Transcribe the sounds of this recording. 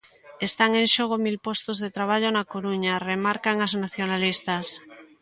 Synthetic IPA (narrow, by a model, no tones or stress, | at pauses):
est̪aŋẽnʃoɣ̞omilpost̪ozðet̪ɾaβ̞aʎonakoɾuɲaremaɾkaŋaznaθjonalist̪as